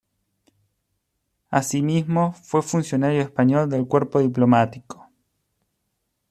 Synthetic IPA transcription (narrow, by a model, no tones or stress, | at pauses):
asimizmofwe̞funsjo̞naɾjoespaɲold̪elkweɾpoðiplomat̪iko̥